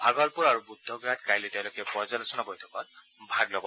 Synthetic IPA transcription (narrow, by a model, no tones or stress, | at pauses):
bʱaɡɔlpuɾaɹubud̪ʱːɔɡjat̪kajlet̪ẽw̃lokɛpɔzɔlɔsɔnabɔjt̪ʰɔkɔt̚ | bʱaɡlɔɡɔ